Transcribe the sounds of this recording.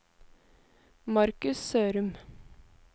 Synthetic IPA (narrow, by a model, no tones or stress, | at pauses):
mɑɾkʉssøːɾʉm